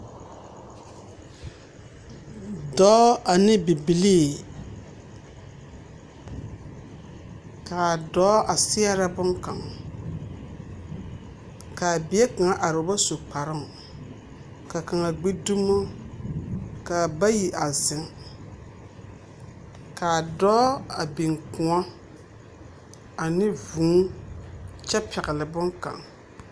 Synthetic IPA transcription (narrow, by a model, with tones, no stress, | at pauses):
dɔː˨˦a˨nɪ˦bi˨bi˨liː˦ | ka˨dɔː˨˦ʔa˨sɪ˦a˦ɾa˦bʊ˦ŋka˨ŋ | ka˨bɪ˨e˦ka˨ŋa˦ʔa˨ɾʊ˨˦ba˦so˨k͡pa˨ɾɪ˦m | ka˨ka˨ŋa˨ɡ͡be˦du˦ma˦ | ka˨ba˦ji˨ʔa˨zɪ˨˦ŋ | ka˨dɔː˦a˨bi˨ŋ˨kʊ˨a˦ | a˨nɪ˦vu˨˦ | t͡ʃɛ˦pʰɛ˨ɣɪ˨lɪ˨bʊ˦ŋka̰˨ŋ